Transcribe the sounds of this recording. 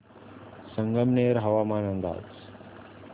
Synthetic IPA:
səŋɡəmneːɾɦɐʋaːmaːnənd̪a̰ːd͡z

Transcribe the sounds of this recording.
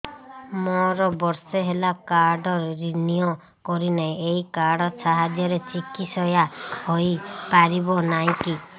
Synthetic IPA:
mɔɾɔbɔɾseɦelakaɾɖɔɾɾinijɔ | kɔɾinaĩeikaɾɽɔsaɦad̪jɔɾet͡ʃikisɔjahoipaɾibɔnaɦĩki

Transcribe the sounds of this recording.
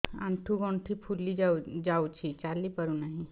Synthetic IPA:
ãɳʈʰuɡõɳʈʰipʰulːiad͡ʑawt͡ʃʰit͡ɕaliːpəɾunaɦĩ

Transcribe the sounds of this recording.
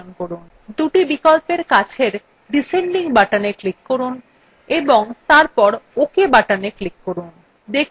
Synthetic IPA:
nkoɾun | d̪uʈibikolpeɾkat͡ɕʰeɾ | ɖiseɳɖiŋbaʈaneklikːoɾun | eboŋt̪aɾpɔɾokebaʈaneklikːoɾun | d̪ek

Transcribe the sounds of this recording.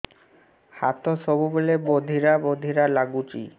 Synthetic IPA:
hat̪oʃobubolebod̪ʱiɾabod̪ʱiɾalaɡut͡ʃḭ

